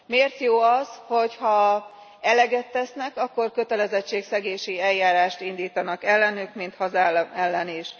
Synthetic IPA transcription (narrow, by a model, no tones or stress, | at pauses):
meːrt̪joːɒsho̞chɒ | ɛlɛɡɛt̪ːɛsnɛkɒkːo̞rkø̞t̪ɛlɛzɛt͡ʃːeːksɛɡeːʃiɛljaːɾaːʃt̪ind̪iːt̪ɒnɒkɛlːɛnykmint̪hɒzaːlmɛlːɛniʃ